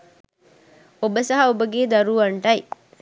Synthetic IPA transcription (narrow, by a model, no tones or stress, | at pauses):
obəsɐɦɐobəɡeːd̪ɐɾuʋɐɳʈɐj